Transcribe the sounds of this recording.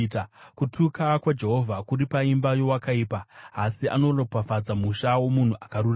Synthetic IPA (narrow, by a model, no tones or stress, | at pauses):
kutʰukakwad͡ʒe̞ɦo̞vʱakuɾipaimbajo̞wakaiːpaːsiʔa̰no̞ropafad͡zamuʃawo̞mun̤uʔakaɾur